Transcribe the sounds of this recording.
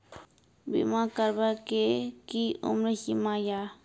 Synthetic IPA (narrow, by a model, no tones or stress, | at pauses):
bḭmãkəɾbakekiʊ̰mɾəhimãja